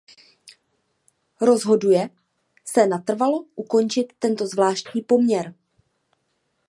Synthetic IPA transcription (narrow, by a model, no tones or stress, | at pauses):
ɾo̞zɦo̞dujɛ | sɛnat̪r̩valo̞ʔuko̞nt͡ʃɪt̪ːɛnt̪o̞zvlaːʃtɲiːpo̞mɲɛɾ